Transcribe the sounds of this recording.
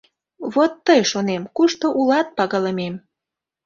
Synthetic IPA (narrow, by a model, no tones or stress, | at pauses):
βot̪ːəjʃonemkuʃt̪oʔulɑt̪̚pɑɣɑləmem